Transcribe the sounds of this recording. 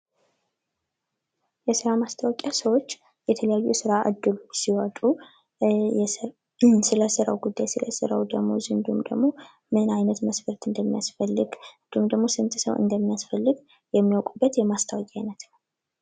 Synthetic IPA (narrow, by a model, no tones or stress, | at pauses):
jɛsɨɾamast̪ʰəwɔkʼasəwo̞t͡ʃː | jɛt̪ʰələjajːujsɨɾaʔɨ̰d̪ːɨlusiwat̪ʼu | ɛ | sɨləsɨɾəwɡud̪ːajsɨlə̰sɨ̰ɾə̰wd̪əɡmo̞zɨnd̪umd̪ə̰ɡmo̞ | mɨnajnət̪məsfəɾt̪ɨnd̪əmːijasfəlːɨɡd̪umd̪əɡmo̞sɨmt̪ʰsəwɨ̰nd̪əmːijasfəlːɨɡ | jɛmːijawkʼubːət̪jɛmast̪ʰəwakʲʼajnət̪nəw